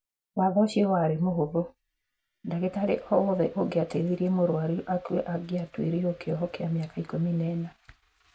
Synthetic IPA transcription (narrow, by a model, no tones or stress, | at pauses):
waðɔʃiɔwaɾemoɦoβo | ndaɣetaɾḛʔhɔoðɛʔoɡeateðiɾiemoɾwaɾiʔakweʔaɡeatwḛɾeokeɔɦɔkɛameakaikominɛːna